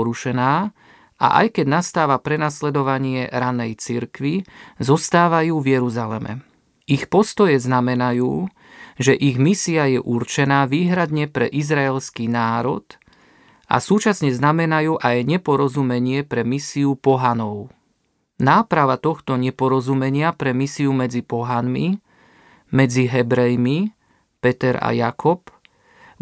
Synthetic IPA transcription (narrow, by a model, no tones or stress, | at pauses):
ɾuʃɛnaː | a̰ʔa̰jkɛɟnast̪aːʋapɾɛnaslɛd̪ɔʋaɲɪɛɾanɛjt͡siɾkʋizɔst̪aːʋajuːvjɛɾuzalɛ̰mɛ̰ | ixpɔst̪ɔjɛznamɛnajuː | ʒɛʔiɣmisiajɛʔuɾt͡ʃɛnaːʋiːɦɾad̪ɲɛpɾɛ̰ʔizɾaɛlskiːnaːɾɔt̪ | ʔa̰suːt͡ʃasɲɛznamɛnajuːʔajɲɛpɔɾɔzumɛɲɪɛpɾɛmisiupɔɦanɔʊ | naːpɾaʋat̪ɔxt̪ɔɲɛpɔɾɔzumɛɲɪapɾɛmisiumɛd͡zipɔɦanmi | mɛd͡ziɦɛbɾɛjmi | pɛt̪ɛɾa̰jakʰɔp